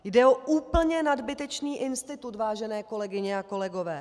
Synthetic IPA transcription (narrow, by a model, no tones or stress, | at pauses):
jdɛo̞ʔuːpl̩ɲɛnadbɪt̪ɛt͡ʃniːʔɪnst̪ɪt̪ut̪vaːʒɛnɛːko̞lɛɡɪɲɛako̞lɛɡo̞vɛː